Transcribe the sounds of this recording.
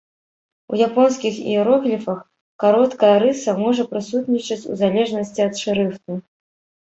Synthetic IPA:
ṵjapɔnskʲixḭuɾɔɣlʲifɐx | kaɾɔt̪kɐjɛɾɨsɐmɔʐɐpɾɨsut̪nʲit͡ʂɐt͡sʲṵzalʲɛʐnɐsʲt͡sʲiɐt̪ʂɨɾɨft̪ɨ

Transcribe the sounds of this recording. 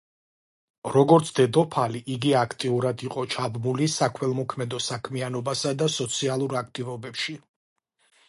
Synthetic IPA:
ɾɔɡɔɾt̪sʰd̪ɛd̪ɔpʰaliʔːɡiakʰt̪ʼiuɾad̪iqʼɔt͡ʃʰabmulisakʰwɛlˠmɔkʰmɛd̪ɔsakʰmianɔbasad̪asɔt̪sʰialˠuɾak̚ʰt̪ʼivɔbɛpʃi

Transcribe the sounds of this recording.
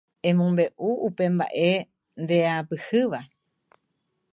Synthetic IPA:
ẽ̞mõmbe̞ʔuupe̞mba̰ʔe̞ | nd̪e̞apɨhɨʋa

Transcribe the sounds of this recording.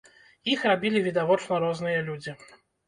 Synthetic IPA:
jixrabʲilʲivʲid̪avɔt͡ʂnɐɾɔzn̪ɨjɐlʲud͡zʲi

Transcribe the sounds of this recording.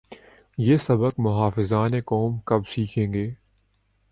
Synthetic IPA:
jeːsɐbəkmʊɦaːfɪzaːnekɔːmkɐbsiːkʰẽːŋɡeː

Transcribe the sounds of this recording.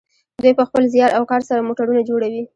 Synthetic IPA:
d̪wujpəxpəlzjɑɾawkɑɾsaɾamoʈaɾunad͡ʒoɽawi

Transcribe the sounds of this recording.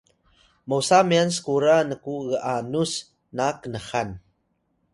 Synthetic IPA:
məwsamians̬ə̥kuɾanəkuɣəʔanus | nakənəxan

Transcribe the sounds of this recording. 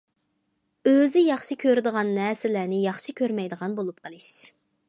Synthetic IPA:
øzɪjɑχʃikʲʰøɾd̪əʁɑnːɛsɪlænɪjɑχʃikʲʰøɾmɛjd̪əʁɑnbolˠup̚qʰəlˠɨʃ

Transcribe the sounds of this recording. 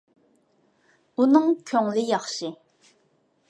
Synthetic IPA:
unɨŋkʲʰøŋlɪjɑχʃi

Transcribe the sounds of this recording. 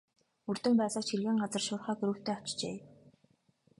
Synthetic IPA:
ɵrt̪ɵ̆mpæːɮăːt͡ɕʰxirɣiːŋɢat͡sə̆rʃʊːrχæːɡɵɾŭxt̪ʰeːɔ̥t͡ɕt͡ɕḛː

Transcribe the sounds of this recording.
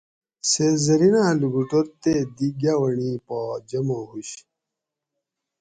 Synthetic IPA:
sezɐɾinaluɡuʈoɾt̪ed̪iɡjawɐɳipad͡ʑɐmoɦuɕ

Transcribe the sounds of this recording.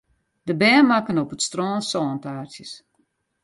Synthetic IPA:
d̥əbɛːmakənopətstrɔːnsɔːntaːrsjəs

